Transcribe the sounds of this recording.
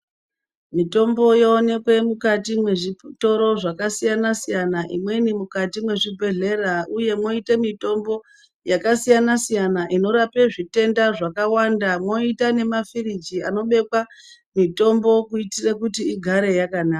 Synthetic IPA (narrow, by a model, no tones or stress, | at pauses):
mito̞mbo̞joːne̞kwe̞mukatimwe̞ʐito̞ɾo̞ʐakasijanasijanaʔimwe̞nimukatimwe̞ʐibʱe̞ɮe̞rauje̞mwo̞itemito̞mbo̞ | jakasijanasijanaʔino̞ɾape̞ʐite̞ndaʐakawandamwo̞itane̞mafirid͡ʒiano̞ɓe̞kwa | mito̞mbo̞kuitirekutiiɡʱaɾe̞jakanaːka